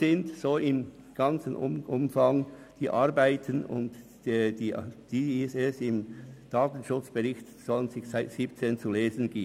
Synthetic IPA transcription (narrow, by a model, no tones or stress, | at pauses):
zɪntsoːɪm | ɡ̥ɑnt͡sənʔʊ̰ʔʊ̰mfaŋd̥iːʔaʁbaɪtʰənʊ̰nd | ɛdiːd̥iːsɛsɪmd̥aːtn̩ʃʊt͡sb̥ɛʁɪçtsɔlənzɪçsaɪtsiːpt͡seːnt͡suleːzənɡ̥iː